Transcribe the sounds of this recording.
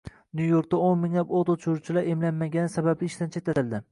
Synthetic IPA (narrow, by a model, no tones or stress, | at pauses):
njujoɾk̚ʲt̪aonmɪŋlapot̪ot͡ʃʰuɾt͡ʃʰɪlaɾʔemlanmaɡʲanɪsabablɪːʃt̪ant͡ʃʰet̪ːat̪ɪld̪ɪ